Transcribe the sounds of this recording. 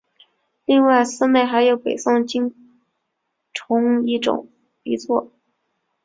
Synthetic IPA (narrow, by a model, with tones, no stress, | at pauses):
li˥˧ŋwa˥˩ɪsɹ̩˥ne˥˩ɪxa˧˥ɪjo˧˥ʊpe˨˩ɪsʊ˥˩ŋt͡ɕi˥ŋ | ʈ͡ʂʰʊ˧˥ŋi˥˩ʈ͡ʂʊ̰˨˩˦ŋ | i˧˥t͡sʰwɔ˥˩